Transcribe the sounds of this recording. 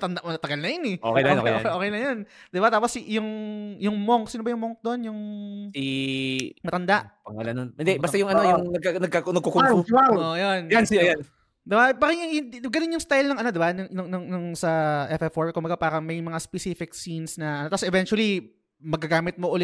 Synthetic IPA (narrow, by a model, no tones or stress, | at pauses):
ɐt̪ɐnd̪amɐnɐt̪ɐɡɐlnɐjonɛʔo̰kejoo̰kʔo̰ːoːkejnɐjond̪ɪbat̪aːposjʊŋjʊŋmoŋksɪnobɐjʊŋmoŋk̚d̪o̞njʊŋsi | mɐt̪ɐnd̪aʔpɐŋalɐ̰nːonɪnd̪ɛbast̪ajʊŋɐnojʊŋnɐɡ̚anɐɡ̚kaknɐɡ̚kokʊaoʔjonjansijan | d̪ɪbapaɾɐjʊŋjʊɡɐnonjʊŋst̪ajlnɐŋʔɐno̞d̪ɪbanʊnʊŋnʊŋnʊŋsɐʔɛfɛfoɹkʊmbɐɡapaːɾɐŋmɐjmɐŋaspɛsifɪk̚sinsnɐʔɐnot̪asʔɛvɛnt͡ʃwɐli | mɐɡ̚kːɐɡaːmɪt̪̚moʔʊlɛ